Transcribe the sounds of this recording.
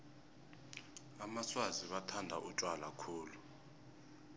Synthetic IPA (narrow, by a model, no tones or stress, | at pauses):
amaswaziɓatʰandʱaʔutʼwalakʰuːlu